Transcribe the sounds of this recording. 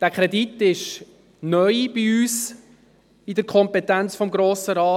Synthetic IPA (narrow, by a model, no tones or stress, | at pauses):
d̥æːkʰɾɛditːɪʃ | nœʏb̥iyːs | idəɾkʰɔmpɛtænt͡sfɔmɡɾoːsəɾɑː